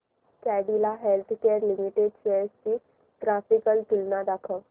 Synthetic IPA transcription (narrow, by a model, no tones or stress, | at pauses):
kɛːɖilaɦelt̪ʰkeəɾlɪmiʈeɖseːsti | ʈɾaːpikəlt̪ʊlnad̪akʰə